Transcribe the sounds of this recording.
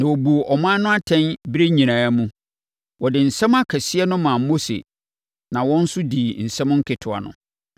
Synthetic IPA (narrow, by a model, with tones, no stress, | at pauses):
nã˨wɔ˨bu˨ʔɔ˨mã˦nʊ̃˦a˦tʰɛ̃˦nbɾe˦ɲĩ˨nã˨˦mũ˦ | wɔ˨dɪ˨n̩˨sɛ̃˦ma˦kʰɛ˨sɪ˦ɛ˦nʊ̃˦mã˨mo˦sḛ˨ | nã˨wɔ̃˦n̩˦sʊ˦diː˨n̩˨sɛ̃˦mʊ̃˦ŋ̩˦kʰɪ˨tʰʊ˨a̰˨nʊ̰̃˨